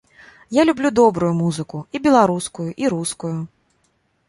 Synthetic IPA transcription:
jalʲublʲud̪ɔbɾujumuzɨkuibʲɛlˠaɾuskujuʔiɾuskuju

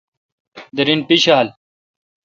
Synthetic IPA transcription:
d̪ɐɾinpiɕaːl

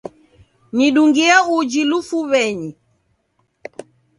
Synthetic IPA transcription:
niɗuŋɡiaud͡ʒilufuβɛɲi

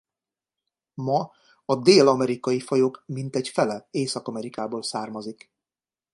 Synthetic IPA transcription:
mɒ | ɒd̪eːlɒmɛɾikɒjifɒjoːkmint̪ɛcfɛlɛeːsɒkɒmɛɾikaːboːlsaːrmɒzik

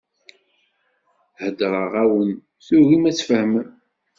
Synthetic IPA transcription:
həd̪ɾˤəʁæwən | θuɾimæt͡sːfəhəm

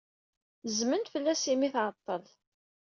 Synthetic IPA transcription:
zmənt̪fəlːæsimiθʕət̪ˤːəl

